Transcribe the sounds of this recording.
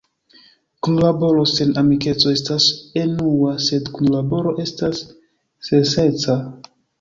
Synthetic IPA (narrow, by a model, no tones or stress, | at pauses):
kunlabo̞ɾo̞se̞namike̞t͡so̞e̞stasenuase̞dkunlabo̞ɾo̞ʔe̞stasː | ense̞t͡sa